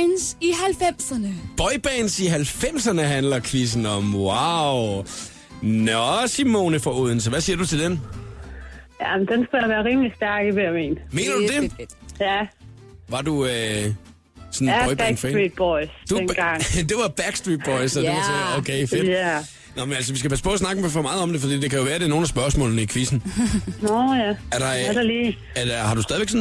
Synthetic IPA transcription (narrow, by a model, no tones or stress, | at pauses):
nsiɦælfem̰sɐnəb̥ɒɪb̥ɛːnsiɦælfem̰sɐnəɦænlɐkʰʋis̬n̩ɒmwɑʊ | nɒsimo̝ːnəfɒuð̞ˠn̩səʋæsiːɐd̥ut͡sʰe̝ld̥en | jæmnd̥ensɡ̥umæʋæːɐʁiːmlisd̥æɐɡ̥iʋeʋḛːnme̝̰ːnɐd̥ud̥e̝jæ | ʋɑ̈duø | sɒ̽nɔɪb̥feid̚b̥ɔɪsd̥unɡ̥ɑŋ̰d̥e̝ʋɑ̈b̥æɡ̥sd̥ʁid̚b̥ɒɪsɒdeʋɑsokʰeɪfed | nɒmenælsɒʋis̬ɡ̥æpʰæsə̥pʰɔ̽ːs̬nɑ̈ɡ̥əfɒ̽mɑ̈ːð̩ˠɒ̽md̥e̝fɒd̥ḭːd̥ekʰæjo̝ʋæːɐdeno̝ːnæsb̥ɶɐsmɔ̰ːlnəikʰʋisn̩nɔjææɐɾɑdliː | æhɑ̈dɾust̪ɛðˠiʋeɡsɔn